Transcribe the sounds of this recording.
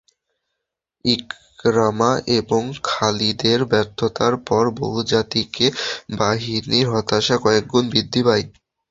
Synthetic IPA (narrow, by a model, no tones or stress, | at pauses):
ik | ɾamaʔeboŋkʰalid̪eɾbɛɾt̪ʰot̪aɾpɔɾbo̰ɦud͡ʑat̪ikebaɦiniɾɦɔt̪aʃakɔek̚d͡ʑonbid̪ʱːibaj